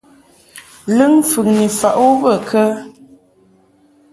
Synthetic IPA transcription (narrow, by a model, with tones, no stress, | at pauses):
lɨ˦ŋfʉ˨ŋni˨fa˨ʔo˦bə˦˨kʰə˦